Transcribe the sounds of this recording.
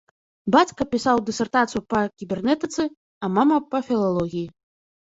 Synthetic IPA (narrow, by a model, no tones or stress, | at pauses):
bat͡sʲkɐpʲisawd̪ɨsʲɛrt̪at̪sɨjupɐkʲibʲɛrnɛt̪ɨt̪sɨ | ɐmamɐpɐfʲilˠalˠɔɣʲiji